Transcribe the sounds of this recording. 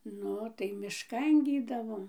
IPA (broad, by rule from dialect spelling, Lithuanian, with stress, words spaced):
ˈnʊ tɐɪ mʲɪʃˈkɐn ˈɡʲiːdɐʋoːm